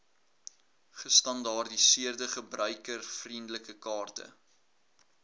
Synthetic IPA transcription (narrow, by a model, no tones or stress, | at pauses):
χəstɐndɑːrdisiərdəχəbrœɥkərfrindələkəkɑːrtə̰